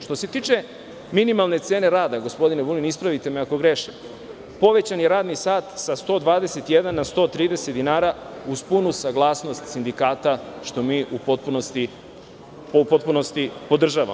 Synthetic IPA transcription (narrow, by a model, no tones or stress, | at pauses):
ʃt̪o̞se̞t̪iːt͡ʃe̞ | minimalˠne̞t̪se̞ːne̞ɾaːd̪aɡo̞spo̞d̪inebulinispɾaʋit̪e̞meako̞ɡɾe̞ʃim | po̞ʋe̞t͡ɕanjeɾaːd̪nisaːt̪sast̪o̞ːd̪ʋaːd̪e̞se̞t̪jed̪anːast̪o̞ːt̪ɾiːd̪ese̞t̪d̪inaːɾa | uspunusaɡlˠaːsno̞st̪sind̪ikaːt̪aʃt̪o̞miːʔupot̪̚punost̪i | popot̪̚puno̞st̪ipo̞d̪r̩ʒaːʋa̰